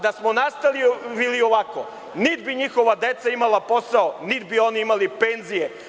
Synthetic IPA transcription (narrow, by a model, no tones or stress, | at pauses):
d̪asmonast̪aliʋilioʋako | nid̪biɲixo̞ʋad̪et̪saimalapo̞saonid̪bio̞niimalipenzije